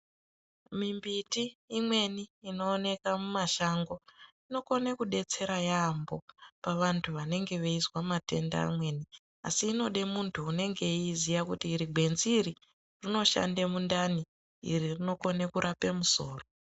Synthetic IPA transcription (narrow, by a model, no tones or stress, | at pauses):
mimbitiːmwe̞niːno̞ːne̞kamumaʃaŋɡo̞ino̞ko̞nekuɗe̞t͡se̞ɾajambo̞paʋantʰuʋane̞ŋɡe̞ʋeizwamate̞nda̰ːmwe̞ni | a̰siːno̞ɗe̞muntʰuːne̞ŋɡe̞izijakutiːɾiɡʱwe̞nzːri | rino̞ʃa̰ndemundani | ḭririno̞ko̞nekuɾʔape̞muso̞ːro